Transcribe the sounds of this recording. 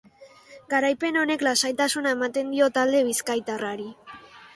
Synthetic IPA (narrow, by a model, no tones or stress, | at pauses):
ɡaɾajpe̞no̞ne̞klasajt̪asunae̞mat̪e̞nd̪io̞t̪ald̪e̞β̞iskajt̪araɾi